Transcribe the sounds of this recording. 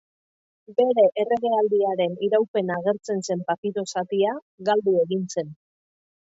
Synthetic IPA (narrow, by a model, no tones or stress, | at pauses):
be̞ɾe̞ʔere̞ɣe̞ald̪iaɾe̞niɾawpe̞naɣ̞e̞ɾt͡se̞nse̞mpapiɾo̞sat̪ia | ɣald̪ue̞ɣinse̞n